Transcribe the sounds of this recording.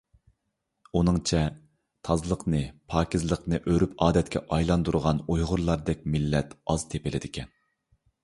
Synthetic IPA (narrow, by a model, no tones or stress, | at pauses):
unɨŋt͡ʃʰɛ | t̪ʰɑzlˠəqnɨpʰɑːkʲizlˠəqnɨʔøɾypɑːd̪ɛt̪̚kʲʰɛʔɑjlˠɑnd̪uɾʊʁɑnujʁʊɾlˠɑɾd̪ɛk̚ʲmɪlːɛt̪ɑz̥t̪ʰepɪlɪd̪ɪkʲʰɛn